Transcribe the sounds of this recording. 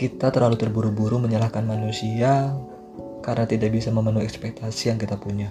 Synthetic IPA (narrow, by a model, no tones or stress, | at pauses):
kit̪at̪ərlalut̪ərbuɾubuɾuməɲalahkanmanusia | kaɾənat̪idaʔ̚bisaməmənuɛkspɛk̚t̪asijaŋkit̪apuɲa